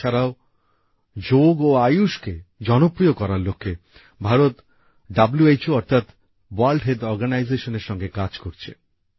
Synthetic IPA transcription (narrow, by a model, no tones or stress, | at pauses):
aɾao | d͡ʑoɡoajuʃked͡ʑɔnopɾiokɔɾaɾlokʰːe | bʱaɾot̪ | ɖabluejt͡ɕoɔɾt̪ʰat̪ | walɖɦedɔɾɡanajzeʃoneɾʃɔŋɡekad͡ʑkoɾt͡ɕʰḛ